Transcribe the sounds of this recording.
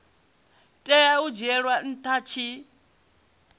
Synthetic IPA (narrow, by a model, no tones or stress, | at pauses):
tʼɛjaud͡ʒɛɺwan̩tʰat͡ʃʰi